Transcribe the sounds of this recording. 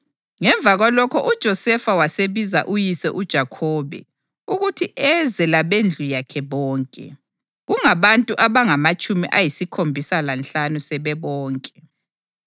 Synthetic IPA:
ŋɛɱb̪vʱaɣwalɔkʰɔʔud̥ʒ̥ʱɔsɛfawaseβiza̰ʔujisɛ̰ʔud̥ʒ̥ʱakʰɔβɛ̰ | uɣutʰiʔɛzɛlaβend͡ɮʱujakʰɛβɔːŋkʼɛ̰ | ɣuŋaβantʼuʔaβaŋamat͡ʃʼumiʔajisikʰombʱisalant͡ɬanusɛβɛβɔːŋkʼɛ

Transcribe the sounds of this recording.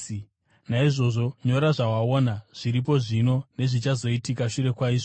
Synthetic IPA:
naiʐo̞ʐo̞ɲo̞ɾaʐawaonaʐ̥iɾip̬o̞ʐino̞ne̞ʐit͡ʃazo̞itikaʃuɾe̞kwaiːʐo

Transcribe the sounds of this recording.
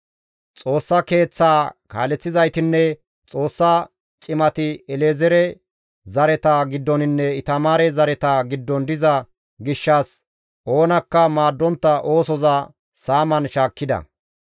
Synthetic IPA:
t͡sʼo̞ːsːɐke̞ːt͡sːaːka̰ːlɛt͡sːɪzɐjt̪ɪnːɛ | t͡sʼo̞ːsːɐ | t͡ʃʼɪmɐt̪ɪɛleːzɛɾɛ | zɐɾɛt̪ɐɡɪd̪ːɔnɪnːɛɪt̪ɐmaːɾɛzɐɾɛt̪aɡɪd̪ːɔnd̪ɪzɐ | ɡɪʃːas | ʔo̞ːnɐkːɐmaːd̪ːɔnt̪ːɐʔo̞ːsɔzɐ | saːmɐnʃaːkːɪd̪ɐ̰

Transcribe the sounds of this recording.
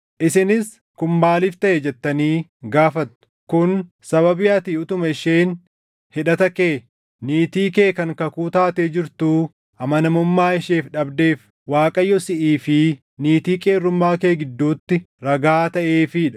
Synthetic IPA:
ʔɪsɪnɪs | kʊmbaːlɪft̪ɐʔɛd͡ʒɛt̪ːɐniːɡaːfɐt̪ːʊ̥kʊn | sɐβɐbɪjɐt̪iːʊt̪ʊmɐɪʃeːn | hɪᶑɐt̪ɐkeː | niːt̪iːkeːkɐŋkɐkuːt̪aːt̪eːd͡ʒɪɾt̪uː | ʔɐmɐnɐmʊmːaːɪʃeːfᶑɐbd̪eːf | waːkʼɐjːɔsɪʔiːfɪ | niːt̪iːkʼeːrːʊmːaːke̞ːɡɪd̪ːuːt̪ːɪ | ɾɐɡaːt̪ɐʔeːfɪᶑɐ̥

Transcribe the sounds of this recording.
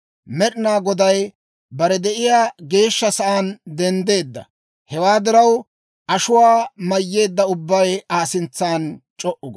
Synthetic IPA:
mɛɗɪnaːɡɔd̪ɐj | bɐɾɛd̪ɛʔɪjaːɡe̞ːʃːɐsɐʔaːnd̪ɛnd̪e̞ːd̪ːɐ̰ | hɛwaːd̪ɪɾɐw | ʔɐʃʊwaːmɐjːe̞ːd̪ːɐʊbːɐjaːsɪnt͡sːaːnt͡ʃʼɔʔʊɡ

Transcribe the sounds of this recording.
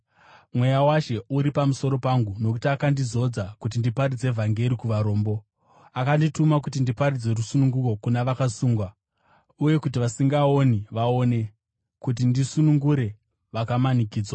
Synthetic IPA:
mwe̞jawaʃe̞uɾipamuso̞ɾo̞paŋɡuno̞ku̥tiakandizo̞d͡zakut̬indipaɾid͡ze̞vʱaŋɡe̞ɾikuʋaɾo̞ːmbo̞ | akanditumak̬utindipaɾid͡ze̞rusunuŋɡuko̞kunaʋakasuːŋɡwa | uje̞kutiʋasiŋɡao̞niʋao̞ne̞ | kut̬indisunuŋɡuɾe̞ | ʋakamanikiːd͡zwa

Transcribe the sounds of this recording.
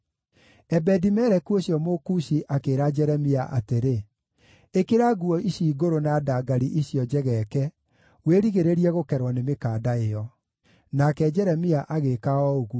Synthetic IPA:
ɛbɛdimɛɾɛkuoɕjɔmokuɕiʔakeːɾad͡ʒɛɾɛmiaʔa̰teɾe | ekeɾaɡuɔiɕiːɡoɾonaːdaːɡaɾiʔiɕjɔd͡ʒɛɣɛkɛ | weɾiɣeɾeɾiɛɣokɛɾwɔnemekaːdaejɔ | nakɛd͡ʒɛɾɛmiaʔaɣekaɔoɣu

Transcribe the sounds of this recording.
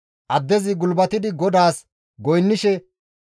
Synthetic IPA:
ʔɐd̪ːɛzɪɡʊlbɐt̪ɪd̪ɪɡɔd̪aːs | ɡɔjnːɪʃɛ

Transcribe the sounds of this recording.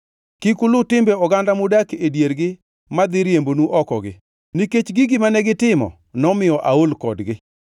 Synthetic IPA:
kɪkʊlʊtɪmbɛɔɡandamʊdakedjeɾɡɪ | mad̪ɪɾjembonuʔɔkɔ̰ɡɪ̰ | niket͡ʃɡiɡɪmanɛɡɪtɪmɔ̰ | nɔmɪjɔʔaolkɔdɡɪ

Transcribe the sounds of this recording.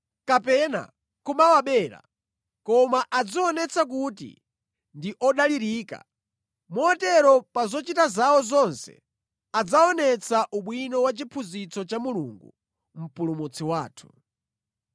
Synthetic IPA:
kapɛna̰ | kumawaɓɛːɾa̰ | kɔmaʔad͡ziɔnɛt͡sʰak̬utḭ | ndiʔɔɗaliɾiːka̰ | mɔɔtɛɾɔpazɔt͡ʃitazawɔzɔnsɛ̰ | ad͡zaɔnɛt͡saʔuɓwinɔwat͡ʃipʰuzit͡sɔt͡ʃamulṵŋɡṵ | m̩pulumut͡sʰiwaːtʰu̥

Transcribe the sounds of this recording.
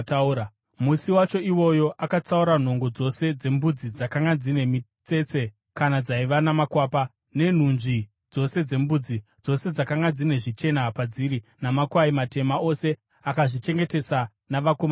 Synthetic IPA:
tuɾa | musiwat͡ʃo̞iwo̞jo̞ʔakat͡sauɾan̤o̞ŋɡo̞d͡zo̞se̞d͡ze̞mbud͡zid͡zakaŋɡad͡zine̞mit͡se̞t͡se̞ | kanad͡zaiʋanamakwaːpa | ne̞n̤unʐi | d͡zo̞se̞d͡ze̞mbud͡zi | d͡zo̞se̞d͡zakaŋɡad͡zine̞ʐit͡ʃe̞napad͡ziɾinamakwaimate̞mao̞se̞ | akaʐit͡ʃe̞ŋɡe̞te̞sa | naʋakoma

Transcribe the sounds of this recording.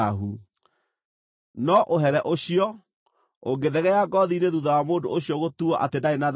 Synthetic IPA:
aɦu | nɔʔoɦɛɾɛʔoɕijɔ | oɡeðɛɣɛaɡɔðineðuðawamoːndo̰oɕijɔɣotuɔʔa̰tendaenað

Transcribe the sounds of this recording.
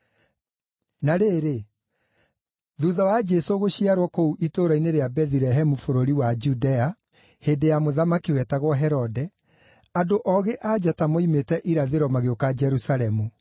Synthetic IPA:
naɾeːɾe | ðuðawad͡ʒɛsoɣoɕiaɾwɔkouʔitoɾaineɾeabɛðiɾɛɦɛmufoɾoɾiwad͡ʒudɛa | heːdejamoðamakiwɛtaɣwɔɦɛɾɔdɛ | adoʔɔɣeʔad͡ʑatamoimetɛʔiɾaðeɾwɔmaɣeokad͡ʒɛɾusaɾɛmu

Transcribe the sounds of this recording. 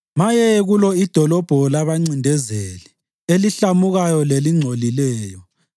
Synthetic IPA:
majɛɣulɔid̥ʱɔlɔb̥ʱɔlaβaŋ͡ǀindʱɛzelɛ | eliɬamuɣajɔleliŋ͡ǀʱolilɛːjɔ

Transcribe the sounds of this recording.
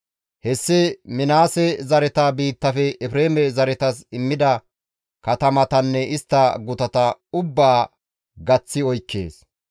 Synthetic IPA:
hɛsːɪmɪnaːsɛzɐɾɛt̪abiːt̪ːɐfɛʔɛfɾeːmɛzɐɾɛt̪ɐsɪmːɪd̪ɐ | kɐt̪ɐmɐt̪ɐnːɛɪst̪ːɐɡʊt̪ɐt̪ɐʊbːaː | ɡɐt͡sːɪɔjkːḛːs

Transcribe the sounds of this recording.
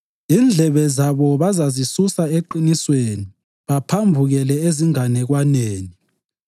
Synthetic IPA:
iːnd͡ɮʱɛβɛzaβɔβazazisusaeǃinisweni | βapʰambʱuɣɛlɛeziŋanɛɣwaneːni

